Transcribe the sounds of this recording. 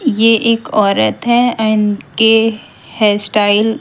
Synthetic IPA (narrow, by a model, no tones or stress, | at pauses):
jeʔeːkɔːɾət̪ɦɛɐɪnke | hɛːsʈaːɪl